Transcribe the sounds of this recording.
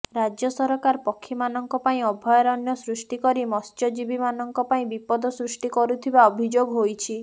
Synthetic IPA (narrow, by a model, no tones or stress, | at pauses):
ɾad͡ʒjɔsɔɾɔkaɾpɔkʰːimanɔŋkɔpaĩɔbʱɔjɔɾɔnjɔsɾusʈikɔɾimɔst͡ʃɔd͡ʒibimanɔŋkɔpaĩbipɔd̪ɔsɾusʈikɔɾut̪ʰibaɔbʱid͡ʒoɡɦojt͡ʃʰi